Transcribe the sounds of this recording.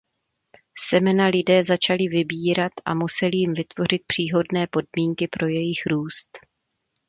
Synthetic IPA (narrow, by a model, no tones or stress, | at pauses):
sɛmɛnalɪdɛːzat͡ʃalɪvɪbiːɾat̪ʔa̰musɛlɪjɪmvɪt̪vo̞r̝ɪt̪̚pr̥iːɦo̞dnɛːpo̞d̚miːŋkɪpɾo̞jɛjɪxɾuːst̪